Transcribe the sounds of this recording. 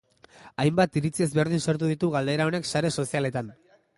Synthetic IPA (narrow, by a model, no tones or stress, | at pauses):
ajmbat̪iɾit͡sie̞zβe̞ɾðinsoɾt̪̬uðit̪uɣald̪e̞ɾao̞ne̞ksaɾe̞so̞siale̞t̪an